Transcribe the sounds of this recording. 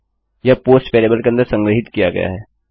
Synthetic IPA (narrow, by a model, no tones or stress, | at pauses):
japoːsʈfeːleːbəlkeɐ̃nd̪əɾsɐ̃ŋɡɾəɦɪt̪kijaɡɐ̰ja̰ɦɛː